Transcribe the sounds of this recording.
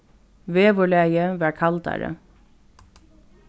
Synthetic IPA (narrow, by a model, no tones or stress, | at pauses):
ʋeːʋɔɭæːjəʋæːkʰɑlt̪æ̰ɾə̰